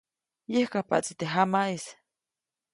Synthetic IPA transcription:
jehkapa̰ʔt͡sit̪eɦamais

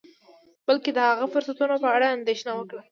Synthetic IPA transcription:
b̥əlked̪əhaɣafʊɾsat̪unopəaɽaːnd̪eʃnawəkɽa

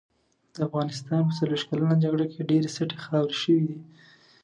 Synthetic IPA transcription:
d̪̥əafɣɑnɪst̪ɑnp̬əsaleiʃkalanad͡ʒaɡɽokʰeɖeɾesaʈexɑwɾʃəwid̪i

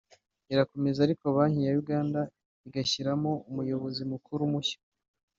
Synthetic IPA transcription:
iɾako̞me̞zaɾikoβaːɲijajuɡaːnda | iɡaçiɾamoumujo̞βo̞zimukʰuɾumuçḁ

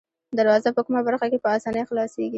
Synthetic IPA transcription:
d̪aɾwɑzapəkumabaɾxakepəasɑnəjxlɑseɡi

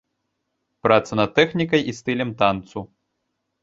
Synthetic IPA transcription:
pɾat̪sɐnɐt̪̚ːɛxnʲikɐjʔist̪ɨlʲɛmt̪ant̪su

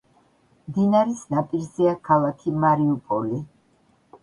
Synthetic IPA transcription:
md̪inaɾisnapʼiɾzɛakʰalˠakʰimaɾiupʼɔli

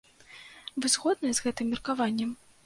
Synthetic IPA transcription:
vɨzɣɔd̪nɐjɛzɣɛt̪ɨmːʲɪrkavanʲːɛm

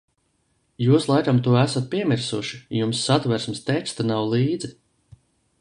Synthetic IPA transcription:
juːslˠajkamt̪uɔæsat̪̚pʲiɛmiɾsuʃijumsːat̪væɾsmst̪ɛkst̪anawlˠiːd̪zi

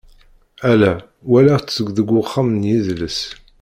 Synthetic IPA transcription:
ælæ | wælæt͡sːəɡðəɡʷːʊχːamnjiðləs

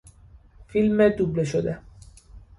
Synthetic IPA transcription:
filmed̪ubleʃod̪e

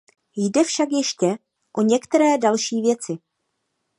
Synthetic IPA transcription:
jdɛfʃakjɛʃcɛ | ʔoɲɛkt̪ɛɾɛːdalʃiːvjɛt͡sɪ

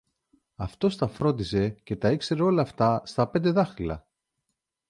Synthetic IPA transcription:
ɐft̪o̞st̪ɐfɾo̞nd̪ise̞ce̞t̪ɐikse̞ɾeo̞lɐːft̪ɐst̪ɐpe̞nd̪e̞ðɐxɾilɐ̰

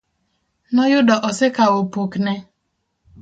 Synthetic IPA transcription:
nɔjʊdɔʔɔsɪkaopukne

